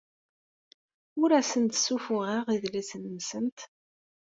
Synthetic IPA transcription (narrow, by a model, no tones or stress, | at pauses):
ʊɾæsənt̪sufʊʁiʁiðlisnəmsənt̪